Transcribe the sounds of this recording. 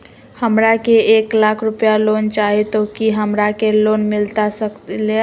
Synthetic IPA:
həmɾakeeklakʰɾupjalont͡ʃaɦit̪okiɦəmɾakelonmɪlt̪asəkt̪le

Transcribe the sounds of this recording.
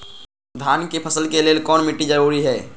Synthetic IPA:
d̪ʱaːnkepʰəsəlkeleːlkɔːnmɪʈːid͡ʒəɾuːɾiɦɛː

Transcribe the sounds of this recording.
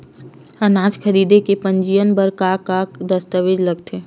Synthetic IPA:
ənaːd͡ʒkʰəɾiːd̪ekepə̃ɲd͡ʒijənbəɾkakakd̪əst̪əʋeːd͡ʒləɡ̚t̪ʰeː

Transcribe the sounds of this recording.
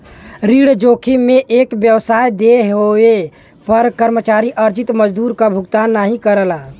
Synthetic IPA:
ɾiːɽd͡ʒoːkʰimẽʔeːkbjəwsaːjd̪eɦoe | pəɾkəɾmət͡ʃaːɾiʔəɾd͡ʒɪt̪məd͡ʒd̪uːɾkabʱʊɡt̪aːnːaɦĩkəɾəlaː

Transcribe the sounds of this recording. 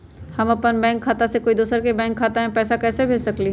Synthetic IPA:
hɐmɐpənbɛ̃ːŋkʰːaːt̪asekoːid̪uːsəɾkebɛ̃ːŋkʰːaːt̪aɦɛ̃pɛːsakɛːsebʱeːd͡ʒsɐkli

